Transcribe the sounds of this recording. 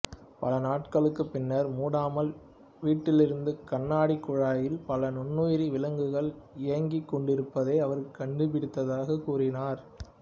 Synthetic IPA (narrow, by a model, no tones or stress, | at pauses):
pɐlɐnaːʈ̚kɐɭɯkːɯpːɪnːɐɾmuːɽaːmɐl | ʋiːʈːɪlɪɾɯnd̪ɯkɐɳːaːɽikːʊɻaːjɪlpɐlɐnʊɳːoːjɾiʋɪlɐŋɡɯɣɐɭɪjɐŋɡɪkːɔɳɖɪɾɯpːɐðeɪɐʋɐɾkɐɳɖɯpɪɽɪt̪ːɐðaːɣɐkuːrɪnaːɾ